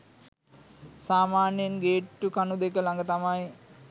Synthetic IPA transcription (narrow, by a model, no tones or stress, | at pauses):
saːmaːnjenɡeːʈːukanud̪ekəlaŋɡət̪amaj